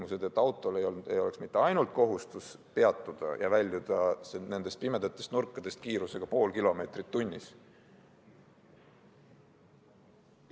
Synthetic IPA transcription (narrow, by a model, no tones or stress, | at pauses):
muse̞d̪̥e̞t̪ːˑɑwt̪ˑːo̞lejḛjo̞le̞ksmit̪ːˑe̞ɑjnult̪̚ko̞ɦust̪us | pe̞ɑt̪ːˑud̪̥ɑ̰jʔɑ̰vælʲːjud̪̥ɑsene̞nd̪̥e̞st̪̚pime̞d̪̥ɑt̪ːˑest̪nurkːˑɑd̪e̞st̪̚kiːɾuse̞ɡ̥ɑpo̞ːlkilo̞me̞ːt̪rit̪ːunʲːis